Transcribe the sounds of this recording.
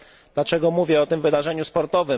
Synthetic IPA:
d̪lat͡ʂɛɡɔmuvʲjɛɔt̪ɘmvɘd̪aʐɛɲuspɔɾt̪ɔvɘ

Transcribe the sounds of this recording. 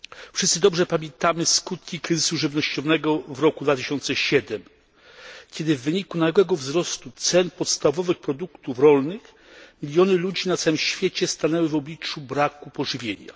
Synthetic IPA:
fʂɘst̪sɘd̪ɔbʐɛpamʲjɛnt̪amɘskut̪kʲikɾɘzɘsuʐɘvnɔɕt͡ɕɔnɛɡɔvɾɔkud̪vat̪ɘɕɔnt̪sɛɕɛd̪ɛm | kʲɛd̪ɘvːɘɲikunaɛɡwɛɡɔvzɾɔst̪ut̪sɛnpɔt̪st̪avɔvɘxpɾɔd̪ukt̪ufɾɔlnɘx | mʲilʲjɔnɘlud͡ʑinat̪sawɘmɕfʲjet͡ɕɛst̪anɛwɘvɔblʲit͡ʂubɾakupɔʐɘvʲjeɲa̰

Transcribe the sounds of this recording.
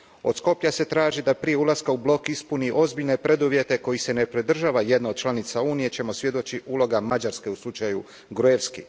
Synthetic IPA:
o̞̰t̪sko̞pʎase̞t̪ɾaːʒid̪apɾije̞ulaskaublo̞kispuniʔo̞zbiʎne̞pɾe̞d̪uʋje̞t̪e̞ko̞jise̞ne̞pɾid̪r̩ʒaʋaje̞d̪naod̪̥̚t͡ʃlˠanit̪sauːnije̞t͡ɕe̞mo̞sʋjed̪o̞t͡ɕiʔulˠo̞ɡamad͡ʒaɾske̞uslˠut͡ʃaju | ɡɾueʋski

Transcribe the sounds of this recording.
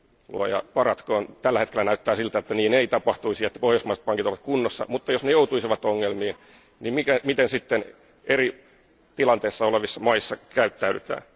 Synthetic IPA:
lṵɑ̰jɑ̰pɑrɑt̪koːnt̪ælːæhet̪kelænæyt̪ːæːsilt̪æet̪ːæniːneit̪ɑpɑht̪uisiɑet̪ːæ̥pohjousmɑise̥t̪pɑŋkit̪oʋɑt̪kunːosːɑ̰mut̪ːɑjosnejout̪uisiʋɑt̪oŋːelmiːn | nimmikæmit̪ensit̪ːen | eri | t̪ilɑnt̪eːsːɑoleʋisːɑmɑisːɑkæyt̪ːæydyt̪æ̰ː

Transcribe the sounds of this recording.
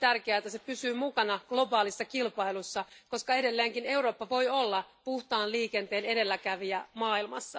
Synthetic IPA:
t̪ærkeæːet̪ːæsepysyːmukɑnɑɡ̥lo̞bɑːlisːɑkilpɑilusːɑko̞skɑe̞de̞lːeːŋkine̞wɾo̞ːpːɑʋo̞jo̞lːɑpuht̪ɑːnliːke̞nt̪e̞ːne̞de̞lːækæʋiæmɑːilmɑ̰sːɑ

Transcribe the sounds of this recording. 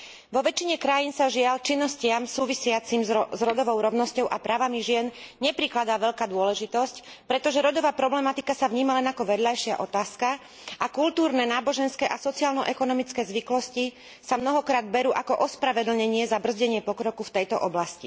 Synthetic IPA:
ʋɔʋɛt͡ʃiɲɛkɾajiːnsaʒɪalt͡ʃinːɔscɪamsuːʋisɪat͡simzɾɔd̪ɔʋɔʊɾɔʊnɔscɔʊʔapɾaːʋamiʒɪɛnɲɛpɾiklad̪aːʋɛʎkaːd̪ʊɔlɛʒit̪ɔsc | pɾɛt̪ɔʒɛɾɔd̪ɔʋaːpɾɔblɛmat̪ikasaʋɲiːmalɛnakɔʋɛd̪lajʃɪaʔɔt̪aːska | ʔakult̪uːɾnɛnaːbɔʒɛnskɛːʔasɔt͡siaːlnɔʔɛkɔnɔmit͡skɛːzʋiklɔsci | samnɔɦɔkɾaːd̪̚bɛɾuːʔakɔʔɔspɾaʋɛd̪l̩ɲɛɲɪɛzabr̩zɟɛɲɪɛpɔkɾɔkuft̪ɛjt̪ɔ̰ʔɔblasci

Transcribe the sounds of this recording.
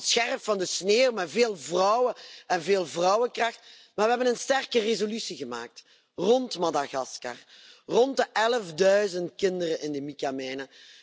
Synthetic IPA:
sxɛrpfɑndəsneːwmɛveːlˠvrɔwəɛnveːlˠvrɔwəkrɑxt | maːrʋəɦɛbənənstɛrkərezolysiɣəma̰ːk̚t | rɔntmɑdaɣɑska̰r | rɔntdəʔɛləvdœɥzəntkɪndərəʔɪndəmikamɛːnə

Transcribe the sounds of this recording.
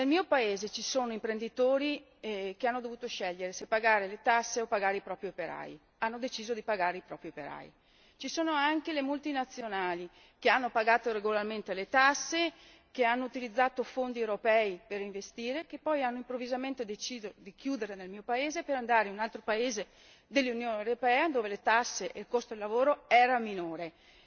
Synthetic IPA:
nelmiːopaeːzet͡ʃisoːnoimpɾend̪it̪oːɾi | k̟eanːod̪ovuːt̪oʃɛʎːeɾesepːaɡaːɾelet̪asːeopaɡaːɾeipɾɔːpɾiopeɾa̰j | anːod̪et͡ʃiːzod̪ipaɡaːɾeipɾɔːpɾiopeɾa̰j | t͡ʃisoːnoaŋkelemult̪inat̪sjonaːli | keanːopaɡaːt̪oɾeɡolarment̪elet̪asːe | keanːout̪ilid̪zːaːt̪ofond̪iewɾopɛːiperiɱvest̪iːɾekepːɔjanːoimpɾovːizament̪ed̪et͡ʃiːzod̪ikjuːd̪eɾenelmiːopaeːzepeɾand̪aːɾeunalt̪ɾopaeːze | d̪elːunjoːnewɾopɛːad̪oːvelet̪asːeʔelkost̪od̪elːavoːɾoɛːɾaminoːɾe

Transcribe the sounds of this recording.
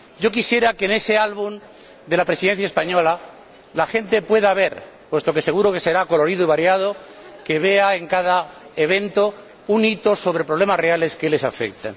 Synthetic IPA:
ɟ͡ʝo̞kisje̞ɾakene̞se̞alβun | d̪e̞lapɾe̞siðen̟θjaespaɲo̞la | laxe̞nt̪e̞pwe̞ðaβ̞e̞ɾ | pwe̞st̪o̞ke̞se̞ɣ̞uɾo̞ke̞se̞ɾako̞lo̞ɾið̞oiβaɾjað̞o̞ke̞βe̞ae̞ŋkaðaeβ̞ẽ̞nt̪o̞ | unit̪oso̞β̞ɾe̞pɾoβle̞masre̞ale̞ske̞le̞sa̰fe̞̰k̚t̪ḛ

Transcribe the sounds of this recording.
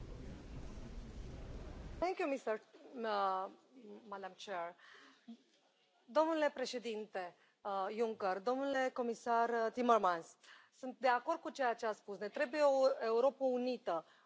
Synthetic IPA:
t̪ɛŋkjumist̪əɾ | mad̪amt͡ʃer | d̪o̞mnule̞pɾe̞ʃe̞d̪int̪e̞ | juŋkərd̪o̞mnule̞ko̞misart̪imermanssɨnt̪̚d̪e̞ako̞rd̪̚kut͡ʃejat͡ʃeaspusnet̪ɾe̞bujeoe̞uɾo̞pəunit̪ə

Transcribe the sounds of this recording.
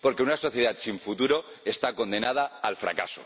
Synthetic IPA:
po̞ɾke̞unaso̞θjeðat̪siɱfut̪uɾo̞ | e̞st̪ako̞nd̪e̞nað̞aːlfɾa̰ka̰so̰

